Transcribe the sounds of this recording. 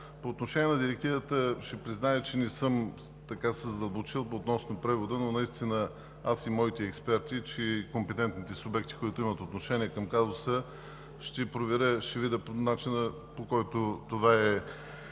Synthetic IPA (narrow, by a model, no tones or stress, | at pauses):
poːt̪noʃɛniɛnɐd̪iɾɛk̚t̪ivət̪əʃɛpɾiznajət͡ʃɛnɛsɤm | t̪ɐkasəzəd̪ɐlˠbot͡ʃilˠot̪nɔsnopɾɛvod̪ənonɐist̪inə | asimɔit̪ɛːkspɛɾt̪it͡ʃɛkompɛt̪ɛnt̪nit̪ɛsʊbɛk̚t̪i̥koit̪ʊimət̪ot̪noʃɛniɛkɐmkazosə | ʃt̪ɛpɾovɛɾəʃɛvid̪ɛponat͡ʃinə | pokɔjt̪ot̪ovaɛ